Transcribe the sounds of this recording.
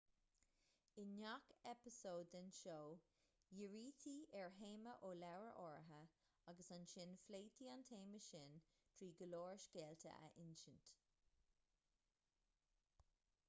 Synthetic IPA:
ɪnːakɛpɪsoːd̪ənʃoː | jɪɹiːtʰiɛɹɦeːməʔoːlɛwɹəʔɔːɹɦə | aɡəsanʃɪnfleːtʰiantʰeːməʃɪn | tʰɹiːɡəloːɹʃkeːltʰə̰ʔə̰ʔɪnʃənt

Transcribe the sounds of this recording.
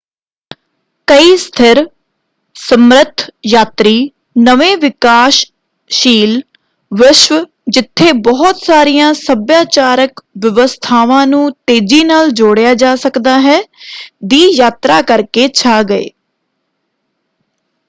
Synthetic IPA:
kəiːst̪ʰɪɾ | səmɾət̪ʰjaːt̪ɾiː | nəʋẽːʋɪkaːʃ | ʃiːl | ʋɪʃw | d͡ʒɪt̪ʰːeːbɔːt̪saːɾijãːsəbjaːt͡ʃaːɾəkʋjəʋəst̪ʰaːʋãːnũːt̪eːd͡ʒiːnaːld͡ʒoːɽjaːd͡ʒaːsəkd̪aːɦɛːd̪iːjaːt̪ɾaːkəɾkeːt͡ʃʰaːɡəḛː

